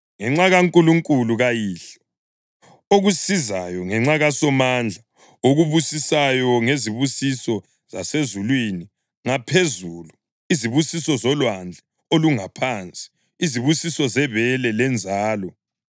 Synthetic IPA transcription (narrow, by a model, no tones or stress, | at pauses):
ŋɛŋ͡ǁaɣaŋkʼuluŋkʼuluɣajiːɬɔ̥ | oɣusizajɔŋɛŋ͡ǁaɣasɔmand͡ɮʱa | oɣuβusisajɔŋeziβusisɔ | z̥a̰sezulwini | ŋapʰezulu | iziβusisɔzɔlwand͡ɮʱɛ | oluŋapʰant͡sʼi̥ | iziβusisɔzɛβɛlɛlɛnd͡zʱaːlɔ